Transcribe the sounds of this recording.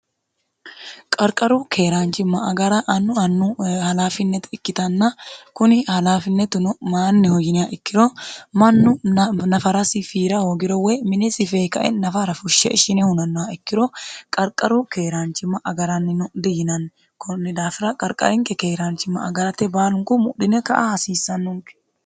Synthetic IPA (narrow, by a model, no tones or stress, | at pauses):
kʼɐɾkʼɐɾukʰeːɾaːnt͡ʃɪmːɐɐɡɐɾɐʔɐnːʊɐnːuhɐlaːfɪnːɛt̪ɪkːɪt̪ɐnːɐkʊnɪhɐlaːfɪnːɛt̪ʊnʊmaːnːɪhɔjɪnɪjaʔɪkːɪɾomɐnːʊnɐfɐɾɐsɪfiːɾɐhoːɡɪɾɔwɛmɪnɛsɪfeːkɐʔɛ̰nɐfɐɾɐfʊʃːɛ̰ɪʃɪnɛhʊnɐnːɔaɪkːɪɾokʼɐɾkʼɐɾʊkeːɾaːnt͡ʃɪmːɐʔɐɡɐɾɐnːɪnʊd̪ɪjɪnɐn | kʊnːɪd̪aːfɪɾɐkʼɐɾkʼɐ̰ɾɪŋkɛkeːɾaːnt͡ʃɪmːɐ̰ɐɡɐɾɐt̪ɛbaːlʊŋkʊmʊɗɪnɛkɐʔahɐsiːsːɐnːʊŋkɛ̥